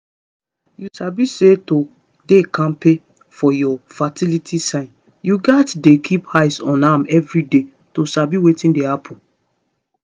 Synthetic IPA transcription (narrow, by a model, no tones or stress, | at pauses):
jusabiseto | dekãmpe | fɔjɔfatilitʰisãɪ̃n | juɡatdekʰiphaɪsɔ̃namɛvɹide | tosabiwetĩndehapʰɔ̃n